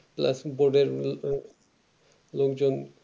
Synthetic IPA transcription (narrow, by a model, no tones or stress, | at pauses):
pla̰sboɾɖeɾ | lokd͡ʑon